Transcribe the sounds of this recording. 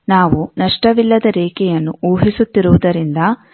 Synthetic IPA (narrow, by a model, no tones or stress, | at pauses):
naːʋunɐʂʈɐʋilːɐd̪ɐɾɛːkɛjɐnːuʔoːɦisut̪ːiɾuʋud̪ɐɾind̪ɐ